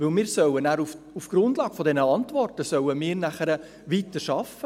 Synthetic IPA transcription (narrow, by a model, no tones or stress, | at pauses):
ʋɵlmiːɾsœwənæːɾuf | ufɡ̥ɾʊndlɑːɡ̥fɔdɛnəɑntʋɔrtəsœwəmiːɾnæχəɾə | ʋitəʃɑfːə